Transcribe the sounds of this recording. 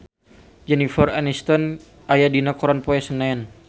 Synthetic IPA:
d͡ʒɛnifəranist̪ɔn | ʔajadinakɔɾanpɔɛsənan

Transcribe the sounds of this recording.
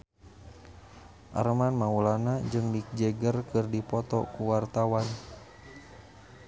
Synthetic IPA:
ʔa̰ɾəmanmaulanad͡ʒɨŋdik̚d͡ʒɛɡərkɨrdipɔt̪ɔkuwart̪awan

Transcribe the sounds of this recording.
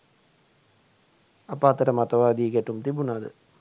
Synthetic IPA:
apəat̪əʈəmat̪əʋaːd̪ieɡæʈumt̪ibunad̪ə̰

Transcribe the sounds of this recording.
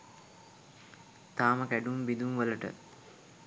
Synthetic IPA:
t̪aːməkæɖumbid̪umʋələʈə̰

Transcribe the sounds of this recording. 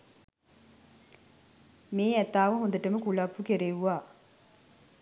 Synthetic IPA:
meːɛt̪ːaːʋəɦũnd̪əʈəməkuɭapːukeɾeʋaː

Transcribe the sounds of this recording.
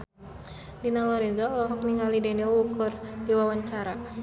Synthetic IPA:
linalɔɾɛnzɔlɔɦɔk̚niŋalidɛnilwukʊrdiwawaɲt͡ʃaɾa

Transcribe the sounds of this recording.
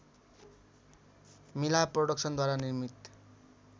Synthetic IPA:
milaproɽʌksʌnd̪waɾanirmit̪

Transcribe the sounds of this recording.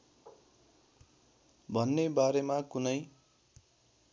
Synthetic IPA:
bʱʌnːebaɾemakunʌj

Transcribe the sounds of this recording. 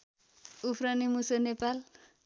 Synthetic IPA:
upʰɾʌnimusʌnepal

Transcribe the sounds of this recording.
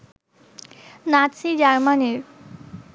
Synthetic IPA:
nasid͡ʑaɾmaneɾ

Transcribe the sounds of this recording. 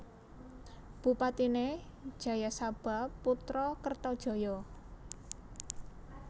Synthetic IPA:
b̥ṳpat̪ined̥ʒ̥ä̤jasab̥a̤pːut̪ɾɔkərt̪ɔd̥ʒ̥ɔ̤jɔ

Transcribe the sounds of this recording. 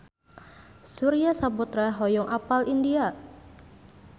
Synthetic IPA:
suɾiasapɔt̪ɾaɦɔjɔŋʔapalindia

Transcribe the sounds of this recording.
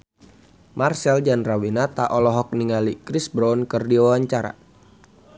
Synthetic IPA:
marsɛld͡ʒanrawinat̪aʔɔlɔɦɔk̚niŋalikɾisbɾɔnkərdiwawaɲt͡ʃaɾa̰

